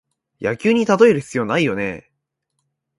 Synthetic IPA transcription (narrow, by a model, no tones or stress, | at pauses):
jakʲɨːɲ̟it̪at̪o̞e̞ɾɯ̟çʲi̥t͡sijoːnaijo̞ne̞̰